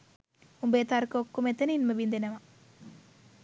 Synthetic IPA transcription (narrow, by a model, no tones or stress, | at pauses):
umbeːt̪aɾkəokːumet̪ɐninməʋind̪enɐʋa